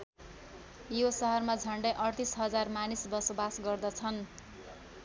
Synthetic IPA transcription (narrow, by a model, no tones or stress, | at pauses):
josʌɦʌrmad͡zʱʌɳɖʌjʔʌrt̪isɦʌd͡zarmanisbʌsʌbasɡʌrd̪ʌt͡sʰʌn